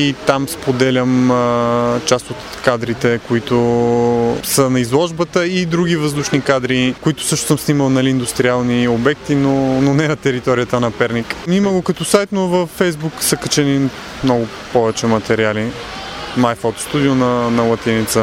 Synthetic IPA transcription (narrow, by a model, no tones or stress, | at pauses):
it̪amspod̪ɛlʲəmət͡ʃast̪ot̪ | kad̪ɾit̪ɛkoit̪o | sənɐizlˠɔʒbət̪əid̪ɾuɡivəzd̪uʃnikad̪ɾikoit̪ʊ̥sɤʃno̥səmsniməlˠnɐliːnd̪ust̪ɾialˠniobɛk̚t̪inononɛnɐt̪ɛɾit̪ɔɾijət̪ənɐpɛɾnikniməɡokɐt̪ɔsajt̪novəfːɛjzbuksəkət͡ʃɛni | mnɔɡʊ | pɔvɛt͡ʃɛmɐt̪ɛɾiali | majfɔt̪st̪ud̪ionɐnɐlˠɐt̪init̪sə